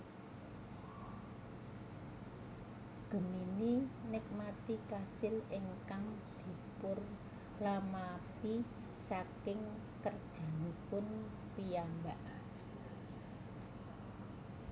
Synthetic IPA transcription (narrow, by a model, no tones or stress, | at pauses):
ɡ̥ə̤mininɪk̚mat̪ikasɪlɪŋkaŋd̪̥i̤pʊr | lamapi | sakɪŋ | kərd̥ʒ̥a̤nipʊn | piambaʔ